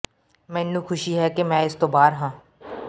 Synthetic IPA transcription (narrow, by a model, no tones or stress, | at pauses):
mɛ̃ːɪnːũːkʰʊʃiːɦɛːkemɛ̃ːɪst̪õːbaːɾɦãː